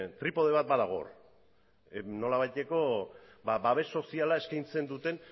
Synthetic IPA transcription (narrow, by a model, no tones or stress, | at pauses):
t̪ɾipo̞ð̞e̞βat̪̚baðaɣ̞o̞̰r | no̞laβ̞ajt̪e̞ko̞ | babaβ̞e̞so̞sialae̞skajnt͡se̞nd̪ut̪e̞n